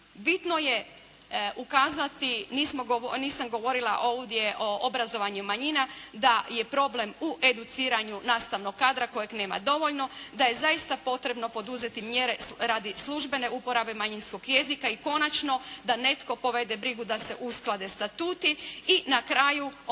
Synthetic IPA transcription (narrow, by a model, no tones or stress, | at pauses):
bit̪no̞je̞ | ʔukaːzat̪iniːsmo̞ɡoniːsamɡo̞ʋo̞ɾilˠaʔo̞ːʋd̪je̞ʔo̞ʔobɾazo̞ʋaɲumaɲinad̪aje̞pɾo̞ble̞muʔe̞d̪ut̪siːɾaɲunaːst̪aʋno̞ɡːaːd̪ɾako̞jakne̞ːma̰d̪o̞ʋo̞ʎno̞d̪aje̞zaist̪apo̞t̪ɾe̞bno̞po̞d̪uze̞t̪imjeɾeɾaːd̪islˠuʒbe̞ne̞ʔupo̞ɾabe̞maɲinsko̞ɡje̞zikaiko̞nat͡ʃnod̪ane̞t̪ko̞po̞ʋe̞d̪e̞bɾiɡud̪ase̞ʔusklˠad̪e̞st̪at̪uːt̪iinakɾaːju